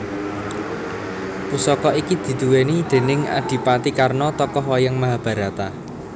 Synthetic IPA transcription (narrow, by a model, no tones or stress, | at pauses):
pusɔkɔikid̪̥i̤d̪̥ṳwenid̪̥e̤nɪŋa̰ɖ̪̥i̤pat̪ikarnɔt̪ɔkɔɦwɔjəŋmaɦab̥a̤ɾa̤t̪a